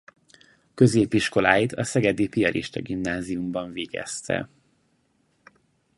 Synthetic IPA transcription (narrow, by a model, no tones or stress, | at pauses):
køzeːpiʃko̞laːjit̪ʰɒsɛɡɛd̪ipijɒlʔḭʃt̪ɒɡimnaːzijumbɒɱveːɡɛ̰st̪ʰɛ̰